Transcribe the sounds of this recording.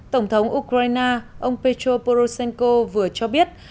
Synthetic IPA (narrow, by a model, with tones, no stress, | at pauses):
t̪ə˧˩wŋ͡mt̪ʰə˨˦wŋ͡mʔu˧kɾaː˧jnaː˧ʔə˧wŋ͡mpe˧t͡ɕo˧po˧ɾo˧sɛ˧nko˧vɨ˨˩ət͡ɕɔ˧ɓi˦˥ət̚